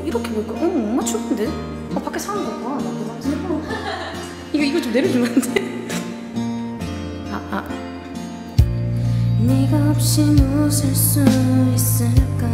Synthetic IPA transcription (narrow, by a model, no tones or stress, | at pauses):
iɾʌkʰeboik͈aʔomat͡ɕʰutʰɯnde | apak͈e̞sʰanɯnɡʌkanakema | iɡʌiɡʌt͡ɕomneɾjod͡ʑimannde | aa̰ | niɡaʌp̚ɕ͈imosɯɭs͈uis͈ɯɭk͈a